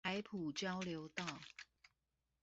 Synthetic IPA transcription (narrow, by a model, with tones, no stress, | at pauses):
a˧˦ɪpʰu˨˩t͡ɕjɑ˥˦ʊljo˨˧˦ʊt̪ɑ˥˨ʊ